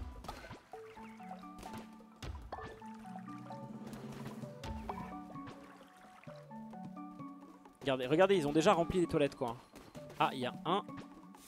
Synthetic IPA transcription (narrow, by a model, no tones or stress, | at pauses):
ɡaʁd̪eʁəɡaʁd̪eilzɔ̃d̪eʒaʁɑ̃plilet̪walɛt̪kwaaʔiljaɛ̃